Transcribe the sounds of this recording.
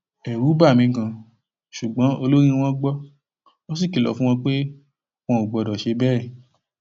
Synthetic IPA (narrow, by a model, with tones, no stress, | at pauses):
ɛ˨ɾu˨˦ba˦˨mĩ˨˧kã˧ | ʃu˨ɡ͡bɔ̃˨˦o˧lo˦ɾ̃ĩ˧w̃ɔ̃˦ɡ͡bɔ˦ | o˦s̬i˦˨ki˨lɔ̰˨˦fũ˦w̃ɔ̃˧k͡pe˦ | w̃ɔ̃˧u˨ɡ͡bɔ˧dɔ˨ʃe˧˦bɛ˦ɛ˨